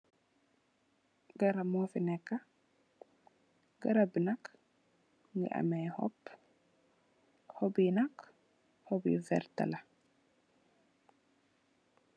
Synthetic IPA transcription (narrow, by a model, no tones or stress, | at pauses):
ɡɐɾamofinɛkːa | ɡɐɾabinak | ŋɡḭʔa̰mɛjhɔ̰pː | hɔbinak | hɔbḭvɛ̰ɾt̪a̰la